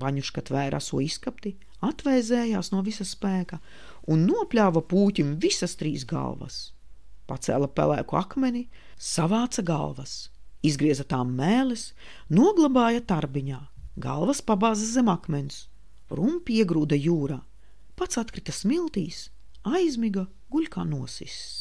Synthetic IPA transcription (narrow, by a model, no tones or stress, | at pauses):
vaɲuʃkat̪væːɾʔa̰suɔiskapt̪i | at̪vɛjzɛːjaːsnuɔvisɐspæːkɐ | unːuɔplʲaːvɐpuːcʲimvisɐst̪ɾiːsɡa̰lˠvɐ̰s | pat̪sɛ̰lˠɐpʲæ̰lˠæ̰ːkua̰kmɛni | savaːt̪saɡa̰lˠvɐs | izɡɾiɛzat̪aːmːæːlɛs | nuɔɡlˠabaːjat̪aɾbiɲaːɡa̰lˠvɐspabaːzɐzɛmakmɛns | ɾumpiiɛɡɾuːd̪ɐjuːɾaː | pat̪sat̪kɾit̪ɐsmilˠt̪iːs | ajzʲmiɡa | ɡulʲkaːnuɔsḭs